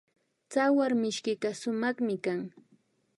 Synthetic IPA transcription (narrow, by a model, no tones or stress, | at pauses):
t͡sawaɾmɪʃkɪkasʊmɑχmɪkaŋ